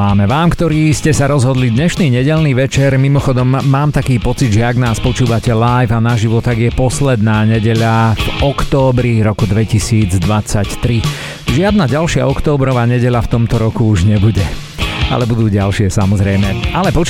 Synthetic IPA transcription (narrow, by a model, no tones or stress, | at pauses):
aːmɛʋaːmkt̪ɔɾiːscɛsaɾɔzɦɔd̪lid̪ɲɛʃniːɲɛɟɛʎniːʋɛt͡ʃɛɾmimɔxɔd̪ɔmːaːmt̪akiːpɔt͡sid̪ʒɛaɡnaːspɔt͡ʃuːʋacɛlajvanaʒiʋɔt̪aɡjɛpɔslɛd̪naːɲɛɟɛʎavɔkt̪ɔːbɾiɾɔkud̪ʋɛcisiːd͡zd̪ʋat͡sact̪ɾi | ʒɪad̪naɟalʃɪa̰ɔkt̪ɔːbɾɔʋaːɲɛɟɛʎaft̪ɔmt̪ɔɾɔkuuʒɲɛbuɟɛ | a̰lɛbud̪uːɟalʃɪɛsamɔzɾɛjmɛalɛpɔ